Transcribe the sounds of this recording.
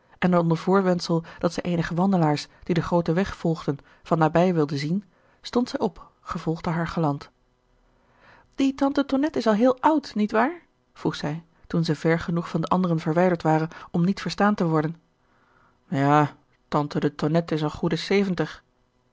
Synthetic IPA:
ʔɛnəɔndəɹv̥ʊːɹtʋɛntsəlˠd̥ɑtsɛjʔeːjnəχəʋɑndəlaːɹsd̥idəχrowtəʋɛχfɔlˠχdən | v̥ɑnːaːbɛjʋɪlˠdəzin | stɔntsɛjɔp | χəv̥ɔlˠχdəɦaːɹχəlɑnt | d̥itɑntətonɛtɪsɑlˠɦɪːlˠʌwtnitʋaːɹ | v̥ruχsɛj | tunzɛjvɛɹχənuχfɑndəʔɑndərənvəɹʋɛjdəɹtʋaːrənɔmnitfəɹstaːntəʋɔɹdən | jaː | tɑntədətonɛtɪsəlˠχudəsejvəntəχ

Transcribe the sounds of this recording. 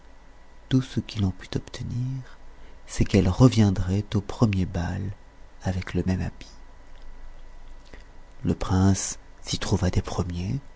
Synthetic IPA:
t̪usəkilɑ̃pyt̪ɔpt̪ʰəniːʁsɛkɛlʁəvjɛ̃d̪ʁɛt̪opχəmjebal | avɛkləmɛmabi̥ | ləpχɛ̃sː | it̪χuvad̪epχəmje

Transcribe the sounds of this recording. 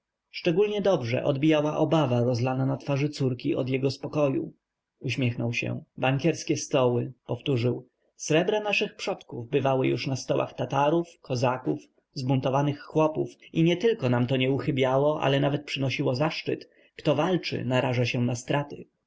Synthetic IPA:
ʂt͡ʂɛɡulɲɛd̪ɔbʐɛ̰ʔɔd̪bʲijawaʔɔbavaɾɔzlananat̪faʐɘt̪suɾkʲiʔɔ̰d̪jɛɡɔspɔkɔjṵ | uɕmʲjɛxnɔwɕɛ̰baŋkʲɛɾskʲɛst̪ɔwɘpɔft̪uʐɘw | sɾɛbɾanaʂɘxpʂɔt̪kuvbɘvawɘjuʂnast̪ɔwa̰xt̪at̪aɾufkʰɔzakuf | zbunt̪ɔvanɘxːwɔpufiɲɛt̪ɘlkɔnamt̪ɔɲɛuxɘbʲjawɔʔa̰lɛnavɛt̪̚pʂɘnɔɕiwɔzaʂt͡ʂɘ̰t̪ | kt̪ɔvalt͡ʂɘ̰naɾaʐaɕɛnast̪ɾat̪ɘ̰

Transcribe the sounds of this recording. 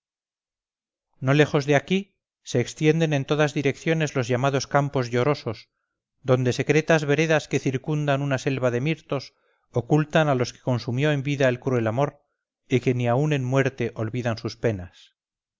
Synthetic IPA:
no̞le̞xo̞zðeaki | se̞ːkst̪je̞nd̪e̞ne̞nt̪o̞ðazðiɾe̞kθjo̞ne̞zlo̞zʝamaðo̞skampo̞zʝo̞ɾo̞so̞z | d̪o̞nd̪e̞se̞kɾe̞t̪azβe̞ɾe̞ðaske̞θiɾkund̪anunase̞lβaðe̞miɾt̪o̞s | okult̪analo̞skeko̞nsumjo̞e̞mbiðaelkɾue̞lamo̞ɾ | ike̞niaune̞nmwe̞ɾt̪e̞ʔo̞lβiðansuspe̞nas

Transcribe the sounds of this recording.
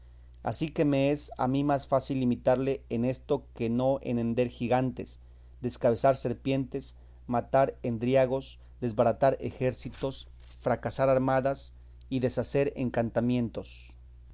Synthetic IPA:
a̰sike̞me̞esa̰mimasfasilːimit̪aɾle̞ene̞st̪o̞ke̞no̞ʔḛnend̪e̞ɾxiɣant̪e̞̰s | d̪e̞skaβe̞saɾse̞ɾpje̞nt̪e̞s | mat̪aɾend̪ɾjaɣo̞s | d̪e̞zβaɾat̪aɾḛxe̞ɾsit̪o̞s | fɾakasaɾaɾmaðas | iðe̞sase̞ɾeŋkant̪amjẽ̞nt̪o̞s

